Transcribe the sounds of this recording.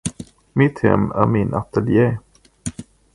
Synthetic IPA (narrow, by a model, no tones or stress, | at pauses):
mɪt̪hɛ̰mːæ̰ɾmɪnʔat̪əlje